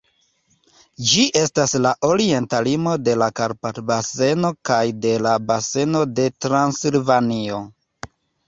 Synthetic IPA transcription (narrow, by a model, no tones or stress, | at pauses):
d͡ʒiʔe̞staslaʔo̞ɾie̞ntalimo̞de̞lakaɾpatbase̞no̞kajde̞labase̞no̞de̞tɾansilvanio̞